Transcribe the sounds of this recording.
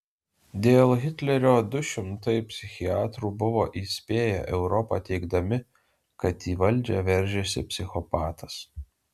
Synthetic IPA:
d̪ʲeːlˠɣʲɪt̪ʲlʲɛɾʲoːd̪ʊʃʲɪmt̪ɐɪpʲsʲɪxʲɪɑːt̪ɾuːbʊʋoːʔiːsʲpʲeːjɛ̰ʔɛʊɾɔpɑ̰t̪ʲɛɪɡd̪ɐmʲɪ | kɐt̪iːʋɐlʲd͡ʒʲɛʋʲɛɾʲˑʒʲeːsʲɪ̰pʲsʲɪxɔpɑːt̪ɐs

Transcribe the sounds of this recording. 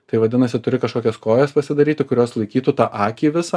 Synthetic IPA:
t̪ɐɪʋɐd̪ʲɪnɐsʲɪt̪ʊɾʲɪkɐʃkoːkʲɛskoːjɛspɐsʲɪd̪ɐɾʲiːt̪ʲɪkʊɾʲoːslˠɐɪkʲiːt̪uːt̪ɑːʔɑːkʲiːʋʲɪsɐ

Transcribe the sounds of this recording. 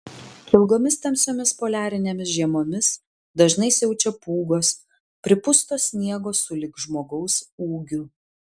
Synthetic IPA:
ɪlˠɡoːmʲɪst̪ʲɐmʲsʲoːmʲɪspoːlʲæːɾʲɪnʲeːmʲɪsʒʲiɛmoːmʲɪs | d̪ɐʒnɐɪsʲɛʊt͡ʃʲɛpuːɡoːs | pʲɾʲɪpʊst̪oːsʲnʲiɛɡoːsʊlʲɪkʒmoːɡɐʊsuːɡʲʊ

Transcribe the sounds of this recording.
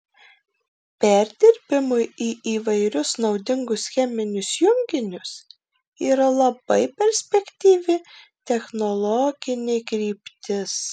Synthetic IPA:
pʲæɾʲd̪ʲɪɾʲbʲɪmʊɪiːiːʋɐɪɾʲʊsnɒʊd̪ʲɪŋɡʊsxʲɛmʲɪnʲʊsjʊŋʲɡʲɪnʲʊs | iːɾɐlˠɐb̥ɐɪpʲɛɾʲsʲpʲɛkt̪ʲiːʋʲɪ | t̪ʲɛxnɔlˠɔːɡ̥ʲɪnʲɛɪkɾʲiːpʲt̪ʲɪs

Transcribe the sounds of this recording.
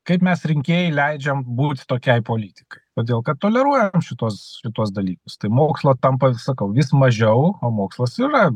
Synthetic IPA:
kɐɪpmʲɛsɾʲɪŋʲkʲeːjɛɪlʲɛɪd͡ʒʲɛmbuːt̪ʲt̪oːkʲɛɪpoːlʲiːt̪ʲɪ̥kɐɪkoːd̪ʲeːlˠkɐt̪̚t̪ːoːlʲɛɾuɔjɛɛmʃʲɪt̪uɔsʃʲɪt̪uɔsd̪ɐlʲiːkʊst̪ɐɪmoːkslˠot̪ɐmpɐsɐkɐʊʋʲɪsmɐʒʲɛʊoːmoːkslˠɐsiːɾɐ

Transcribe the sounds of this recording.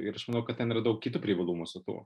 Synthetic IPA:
ɪɾɐʃmɐnɐʊkɐt̪t̪ʲɛnɪɾɐd̪ɐʊk̚kʲiːt̪uːpʲɾʲiʋɐlˠuːmʊsʊt̪ṵɔ

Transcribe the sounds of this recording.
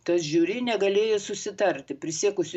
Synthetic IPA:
t̪ɐsʒʲuːɾʲiːnʲɛɡɐlʲeːjɛsʊsʲɪt̪ɐɾʲt̪ʲɪpʲɾʲɪsʲiɛkʊsʲʊ

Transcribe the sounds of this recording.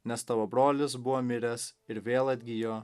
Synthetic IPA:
nʲɛst̪ɐʋoːbɾoːlʲɪsbʊʋoːmʲɪɾʲɛsɪɾʋʲeːlˠɐd̪ʲɡʲɪjoː

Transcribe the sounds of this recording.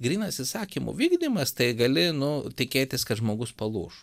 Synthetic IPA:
ɡɾʲiːnɐt̪ʲsʲɪsɑːkʲimʊ̰ʋʲiːɡd̪ʲimɐst̪ɐɪɡɐlʲɪnʊt̪ʲɪkʲeːt̪ʲɪskɐt̪ʒmoːɡʊspɐlˠṵːʃ

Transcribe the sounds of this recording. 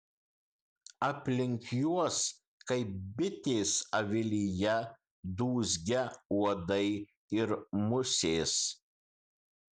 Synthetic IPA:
ɐpʲlʲɪŋʲkjuɔs | kɐɪp̚bʲɪt̪ʲeːsɐʋʲɪlʲɪjɛ | d̪uːzʲɡʲɛuɔd̪ɐɪ | ɪɾmʊsʲeːs

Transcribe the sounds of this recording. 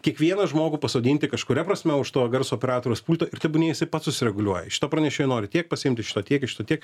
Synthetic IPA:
kʲiɛkʋʲiɛnɐʒmoːɡʊpɐsoːd̪ʲiːnʲt̪ʲɪkɐʃkʊɾʲɛpɾɐsʲmʲɛʊʃt̪oːɡɐrsoɔpʲɛɾɑːt̪oːɾʲoːspuːlʲt̪oːɪɾt̪ʲɛbʊnʲeːjɪsɐɪpɐt̪sʊsʲɪɾʲɛɡʊlʲuɔjɛʃʲɪ̥t̪oːpɾɐnʲɛʃʲɪːjɛnoːɾʲɪt̪ʲiɛk̚pɐsʲɪɪmʲt̪ʲɪʃʲɪ̥t̪oːt̪ʲiɛkɪʃɪ̥t̪oːt̪ʲiɛk

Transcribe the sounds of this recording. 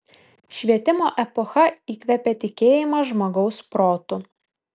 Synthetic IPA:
ʃʲʋʲiɛt̪ʲɪmoːʔɛpɔxɐiːkʲʋʲɛpʲɛt̪ʲɪkʲeːjɪmɐʒmoːɡɒʊspɾoːt̪ʊ

